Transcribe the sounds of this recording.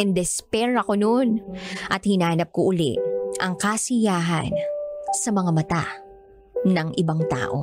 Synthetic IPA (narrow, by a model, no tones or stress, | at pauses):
ɛnd̪ɛspɛɾɐkononʔɐt̪̚hɪnaːnɐp̚koʔʊlɪ̰ʔʔɐŋkasɪjaːɦɐ̰nsɐmɐŋɐmɐt̪a̰ | nɐŋʔɪbaŋt̪a̰ːʔo̞̰